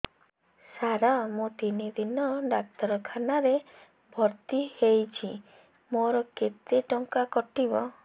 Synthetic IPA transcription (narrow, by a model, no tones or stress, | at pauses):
saɾamũt̪inid̪inɔɖak̚t̪ɔɾɔkʰanaɾe | bʱɔɾt̪ihejt͡ʃʰi | moɾɔket̪eʈɔŋkakɔʈibɔ